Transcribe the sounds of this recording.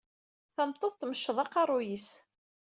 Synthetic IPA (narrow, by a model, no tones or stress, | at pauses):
θæmt̪ˤːoθt̪ːməʃːəðˤɑqɑrˤʊjis